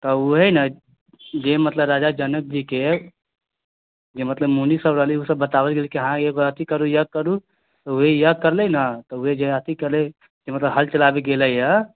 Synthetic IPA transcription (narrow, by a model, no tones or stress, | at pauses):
t̪ɔuɦɛnə | d͡ʒemət̪ləbɾad͡ʒad͡ʒənək̚d͡ʒike | d͡ʒemət̪ləbmunisəbɾəɦliusəbːət̪abəlɡelikeɦãeɡoət̪ikəɾujəkəɾu | t̪ɔuɦejəkəɾlɛnət̪ɔuɦed͡ʒeət̪ikəɾlɛ | d͡ʒemət̪ləbɦəlt͡ʃəlabeɡeləjjə